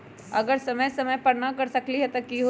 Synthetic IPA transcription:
ɐɡəɾsɐməjsɐməjpɐɽnakɐɾsɐkliɦɛt̪ɐkiɦo

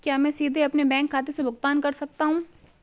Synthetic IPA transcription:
kjaːmɛ̃ːsiːd̪ʱeɐpnebɛ̃ːŋkʰːaːt̪esebʱʊkt̪aːnkɐɾsɐk̚t̪aɦũː

